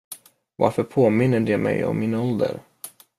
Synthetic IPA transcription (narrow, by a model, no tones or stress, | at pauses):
va̰ɾfœɾpʰoːmɪnːəɖɛmɛjɔ̰mːinaɔld̪ə̰ɾ